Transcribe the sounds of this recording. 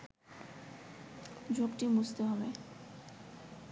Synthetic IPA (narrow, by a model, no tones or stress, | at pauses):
d͡ʑukʈimust̪eɦɔbe